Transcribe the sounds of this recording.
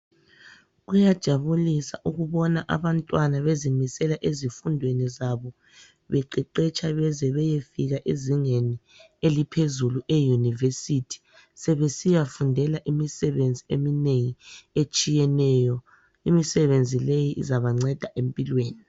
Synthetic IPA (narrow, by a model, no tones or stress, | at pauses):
ɣujad̥ʒ̥ʱaβulisa̰ʔuɣuβɔnaʔa̰βantʼwanaβezimisɛlaʔezifundʱwenizaβɔ | βɛǃɛǃɛt͡ʃʰʼaβɛzɛβɛjefiɣaʔiziŋeni | elipʰezuluʔejunivesitʰi̥ | sɛβesijafundʱɛlaʔimisɛβend͡zʱiemineŋiet͡ʃʼijɛnɛjɔ | imisɛβend͡zʱilejiʔḭzaβaŋ͡ǀɛd̥ʱaʔempʼilweːni